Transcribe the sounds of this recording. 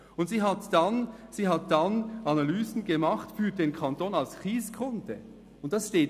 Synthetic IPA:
ʊntziːɦatd̥anz̥iːɦat̚d̥anʔanalyːzn̩ɡəmaχtfyːɐdeːnkʰantoːnalskʁiːskʁʊntə | ʊnt̚d̥asʃteːt

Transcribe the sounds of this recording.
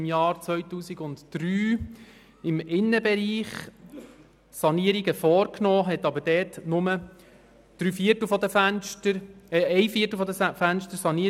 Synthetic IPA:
mjɑːɾt͡sʋœɥtuːsiɡʊntd̥ɾyː | ɪmɪnːəbɛɾiːχ | sɑniəɾiɡəfɔːɾknɔːɦɛtɑbəɾdɛːtnʊmə | d̪̥ɾyːfiətl̩ˠfɔd̪əfænʃtəɾɛɛɪfiətl̩ˠfɔd̪əsfænʃtəɾsɑni

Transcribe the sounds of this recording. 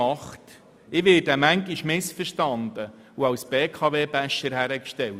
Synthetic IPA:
ɑχt | ɪʋɪːdəmæŋɡiʃmɪsfərʃtɑnd̪ə | uɑwsb̥eːkʰɑʋeːbæʃəɾhæɾəkʃtɛwt

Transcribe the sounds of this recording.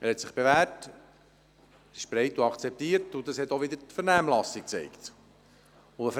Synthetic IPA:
ɛhɛt̪sɪχb̥evæːɾt | ɪʃb̥ɾɛɪtuɑkt͡sɛp̚t̪iːəɾtʊd̪ɑshɛt̪oʋɪd̪əɾtfəɾnæːmlɑsik̚t͡sɛ̰ɪkt̪ | ʊəf

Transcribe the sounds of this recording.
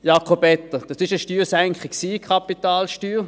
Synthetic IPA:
jɑkχobɛt̪ːəd̥ɑsɪʃəʃtyːsæŋkχəksiːkʰχɑpit̪aːlʃtyːʁ

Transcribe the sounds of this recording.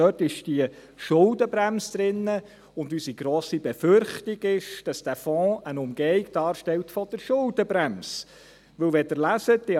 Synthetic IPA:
œːtɪʃd̥iə | ʃʊldəbɾæmsd̥̪ɾɪnːə | ʊndysiɡ̥ɾɔːsibɛfʏɾχtiɡɪʃd̥ɑsd̥æːfɔ̃ːənʊmɡ̥ɛɪɡd̥ɑːɾʃtɛltfɔd̥əɾʃʊldəbɾæms | ʋɵwʋɛdɪɾlæsətd̥ɪ

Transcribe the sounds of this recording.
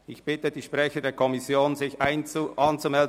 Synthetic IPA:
ʔɪçb̥ɪtəd̥iːʃpʁɛçədeːɐkʰɔmɪsjoːnzɪçʔaɪnʔɑnt͡sumɛld

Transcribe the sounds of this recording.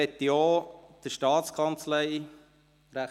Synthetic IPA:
ɛt̪ːioːd̪̥əʃtɑːt̪skʰɑnt͡slɛɪ | ɾæ

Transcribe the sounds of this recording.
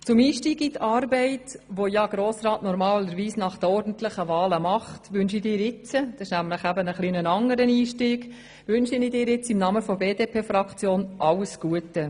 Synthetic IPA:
t͡sʊmiːʃtiːɡitʰɑːɾbɛɪtʋojɑɡ̥ɾoːsrɑːtnɔɾmɑːləɾʋiːsnɑχd̥əɔɾdn̩tləχəʋɑːləmɑχtʋʏnʃidɪːɾɪt͡səd̥ɑʃnæmləχæbənəχlinənɑŋəɾəniːʃtiːɡ | ʋʏnʃinidɪːɾɪt͡simnɑməfɔbeːdeːpʰeːfɾɑkt͡sjoːnʔɑwəsɡ̥uətə

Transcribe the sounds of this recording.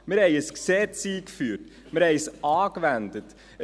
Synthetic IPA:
məɾhɛɪəsksɛt͡siːkfyːɾt | məɾhɛɪsɑːkvændət | ə

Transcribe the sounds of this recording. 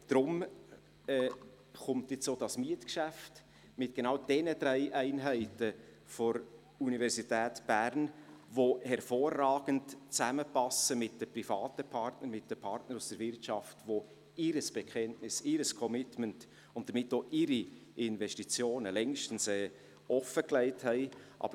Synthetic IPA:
d̥ɾʊm | ɛː | χʊmtjɪt͡soːdɑsmiətkʃæft | mɪtɡ̥enɑwd̥ɛnədɾɛɪʔæɪnɦæɪtə | fɔɾ | univɛɾsitɛːtb̥æɾnvohɛɾfoːrːɑːɡ̥əntt͡sæməpɑsəmɪt̚d̥əprifɑːtəpʰɑɾtnəɾmɪt̚d̥əpʰɑɾtnəɾusd̥əɾvɪɾtʃɑftʋo | ɪɾəsb̥ɛkʰɛntnɪsɪɾəskʰɔmɪtmənt | ʊnt̚d̥əɾmɪtːoːʔɪɾiʔɪnvɛʃtit͡sjoːnəlɛŋʃtən̩sɛː | ʔɔfəklɛɪthɛɪʔɑ̰b̥ə

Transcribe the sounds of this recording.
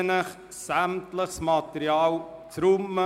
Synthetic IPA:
nəχ | sæmtləχsmɑt̪əɾjɑːlt͡sɾumːə

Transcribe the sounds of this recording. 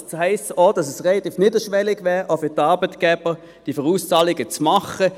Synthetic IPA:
hɛɪstoːd̥ɑsɛsʁɛlɑt̪iːfnɪdəʃʋɛlɪɡʋɛːʁʔofʏʁtɑːʁbətɡ̥ɛb̥ə | d̥ifəʁuːst͡sɑːlɪɡət͡smɑχə

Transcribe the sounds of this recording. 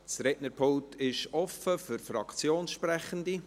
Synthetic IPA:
t͡srɛtnəɾpʰoltʰɪʃɔfəfʏɾfɾɑ̰kt͡sjoːnsʃpɾɛχəndi

